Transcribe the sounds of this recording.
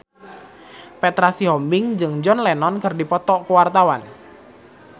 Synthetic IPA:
pɛt̪ɾasiɦɔmbɪŋd͡ʒɨŋd͡ʒɔnlɛnɔnkərdipɔt̪ɔkuwart̪awan

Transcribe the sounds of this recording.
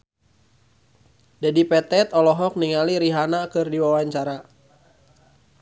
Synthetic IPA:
d͡ʒadipɛt̪ɛt̪ɔlɔɦɔk̚niŋaliɾiɦanakɨrdiwawaɲt͡ʃaɾa

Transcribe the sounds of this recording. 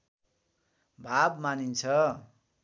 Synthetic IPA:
bʱabmanint͡sʰʌ

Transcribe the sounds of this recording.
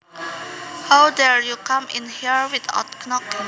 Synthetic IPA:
hawdɛɹjukãmɪ̰̃nhiɹwida̰tknɔk

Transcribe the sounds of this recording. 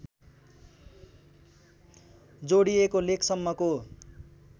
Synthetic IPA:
d͡zoɽijekolekʰsʌmːʌko

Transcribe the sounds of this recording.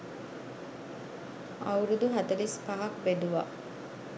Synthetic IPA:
ɐ̰uɾud̪uɦɐt̪ɐlispaɦɐkbeɖuʋa̰

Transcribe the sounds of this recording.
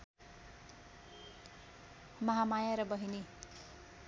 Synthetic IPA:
mʌɦamajaɾʌbʌɦini

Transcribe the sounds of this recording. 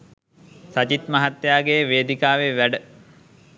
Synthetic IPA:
sat͡ʃit̪mɐɦat̪ːjaːɡejʋeːd̪ikaːʋeʋæɖə

